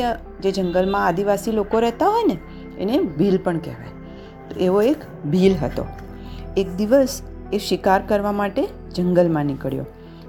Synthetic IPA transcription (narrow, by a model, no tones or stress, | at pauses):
d͡ʒed͡ʒəŋɡəlmãad̪iʋasilokoɾɛɦt̪aɦojnḛː | nebʱilpəɳkɛ̰ʋa̰j | t̪oeʋoek | bʱilɦət̪o̰ | ek̚d̪iʋəs | eʃɪkaɾkəɾʋamaʈe | d͡ʒəŋɡəlmãnɪkəɭjo̰